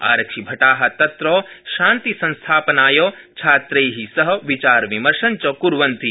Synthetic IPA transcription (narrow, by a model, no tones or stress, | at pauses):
a̰ːɾɐkʃibʱɐʈaːɦɐ̆t̪ɐt̪ɾɔːʃãːnt̪isɐ̃nst̪ʰaːpnaːjoːt͡ʃʰaːt̪ɾeːɦisɐɦɐʋit͡ʃaːɾʋimɐɾʃɐnt͡ʃɔkuɾʋɐnt̪i